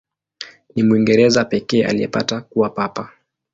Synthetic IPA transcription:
nimuiŋɡɛɾɛzapɛkɛːʔa̰lijɛ̰pa̰takuwapapa

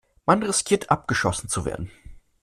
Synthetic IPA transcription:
manʁɪskʰiːɐtʰʔap̚ɡ̥əʃɔsn̩t͡suvḛːɐdn̩

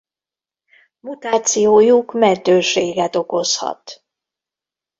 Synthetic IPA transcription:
mut̪aːt̪sijoːjukmɛnt̪øːʃeːɡɛt̪o̞ko̞shɒ̰t̪

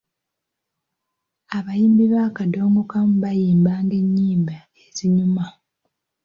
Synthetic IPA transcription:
aβajiːmbiβakado̞ːŋɡokamuβajiːmbaːŋɡe̞ɲːiːmba | eziɲuma

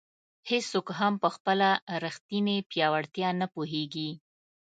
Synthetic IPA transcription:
hesːokɦampəxpəlaɾəxt̪inepjɑwaɽt̪jɑnapoɦeɡi

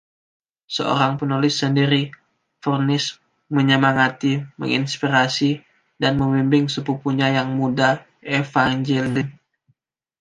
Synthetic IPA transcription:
sə̰o̰ɾaŋpənulɪsːəndiɾi | furnɪs | məɲəmaŋat̪imə̰ŋḭnspiɾasi | danməmimbɪŋsəpupuɲajaŋmuda | efaŋd͡ʒɛlɪn

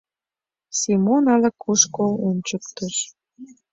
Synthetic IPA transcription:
simonɑləkʰːuʃkounʲt͡ɕək̚t̪əʃ

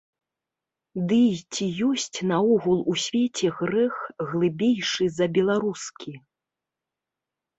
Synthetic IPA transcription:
d̪ɨt͡sʲijɔsʲt͡sʲnaɔɣulˠusʲvʲet͡sʲɛɣɾɛxɣlˠɨbʲejʂɨzɐbʲɛlˠaɾuskʲi

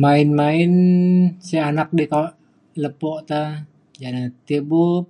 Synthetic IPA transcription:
maɪnmaɪnsɛanak̚dikawʔ | ləpɔʔt̪a | d͡ʒanat̪ebup̚

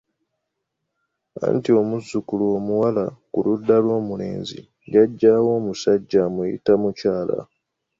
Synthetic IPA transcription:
a̰ːntio̞muzːukuluo̞ːmuwalakuludːalwo̞ːmule̞̰ːnzḭ | jaɟːawo̞ːmusaɟːamujḭtamucaːla̰

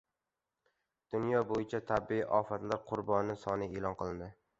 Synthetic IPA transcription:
d̪̥ʊnjɒbojɪt͡ʃʰat̪ʰabɪiʔɒfat̪laɾqʰʊɾbɒnɪsɒnɪelˠɒnqʰɨlˠɪnd̪ɪ

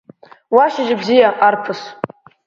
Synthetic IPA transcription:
waʃaʒɪbzijaʔarpʰɨs

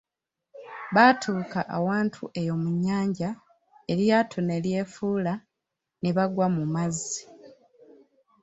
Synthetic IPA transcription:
βatʰuːkaʔːwaːntʰṵʔe̞jo̞muɲːaːɲɟa | e̞ɾjaːtʰone̞lje̞ːfuːla | neβaɡwamumazːi

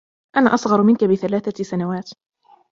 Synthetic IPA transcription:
ʔanaːʔɑsˤɣɑɾˤmɪnkabɪθalaːθasanawaːt̪

